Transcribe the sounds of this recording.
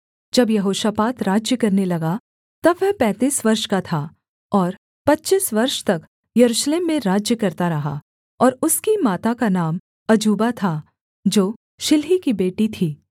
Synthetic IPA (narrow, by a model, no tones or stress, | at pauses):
d͡ʒɐbjɐɦoːʃapaːt̪ɾaːd͡ʒjəkɐɾnelɐɡa | t̪ɐbʋɛpɛ̃ːt̪iːsʋɐɾʃkat̪ʰa | ɔːɾ | pɐtːt͡ʃisʋɐɾʃt̪ɐk | jɐɾuːʃleːmːẽɾaːd͡ʒjəkɐɾt̪aɾɐɦa̰ | ɔːɾʊskimaːt̪akanaːm | ɐd͡ʒuːbat̪ʰa | d͡ʒoː | ʃɪlɦikibeːʈit̪ʰiː